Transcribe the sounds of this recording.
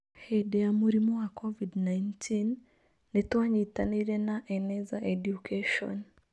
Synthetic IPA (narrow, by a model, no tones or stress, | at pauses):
hɛdɛjamuɾimɔwakʰɔvidnajntʰinː | etwaɲitaniɾɛnaʔɛnɛzaʔɛdjukʰeʃɔ̰n